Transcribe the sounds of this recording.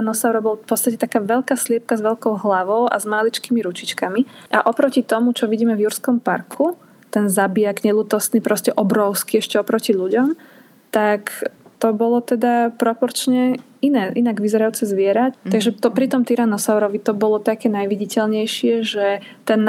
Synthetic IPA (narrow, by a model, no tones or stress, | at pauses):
anɔsaʊɾɔbɔlfpɔt̪t͡st̪acɛt̪akaːʋɛʎkaːslɪɛp̚kazʋɛʎkɔʊɦlaʋɔʊʔa̰zmalit͡ʃkimiɾut͡ʃit͡ʃkamiʔa̰ʔɔpɾɔcit̪ɔmut͡ʃɔʋiɟiːmɛvjuɾskɔmpaɾkʰu | t̪ɛnzabijaɡɲɛlut̪ɔsnipɾɔscɛʔɔbɾɔʊskiɛʃcɛɔpɾɔciʎuɟɔm | t̪akt̪ɔbɔlɔt̪ɛd̪apɾɔpɔɾt͡ʃɲɛ | inɛːʔinaɡʋizɛɾajuːt͡sɛzʋɪɛɾaaɡʒɛt̪ɔpɾit̪ɔmt̪iɾanɔsaʊɾɔʋit̪ɔbɔlɔt̪akɛːnajʋiɟicɛʎɲɛjʃɪɛʒɛ | t̪ɛn